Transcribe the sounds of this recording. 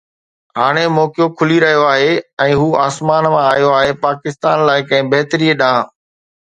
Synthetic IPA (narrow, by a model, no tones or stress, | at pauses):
ɦaːɽ̃emɔːkjokʰʊliɾɐɦijoaːɦeːɛ̃ːɦuːaːsmaːnmãaːjoaːɦepaːkɪst̪aːnlaːɪkɐ̃ɦɪ̃bɐɦt̪əɾiːeɗãː